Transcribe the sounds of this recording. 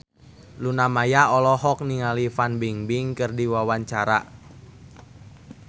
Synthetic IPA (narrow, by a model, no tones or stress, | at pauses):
lunamajaɔlɔɦɔk̚niŋalifanbiŋbiŋkɨrdiwawaɲt͡ʃaɾa̰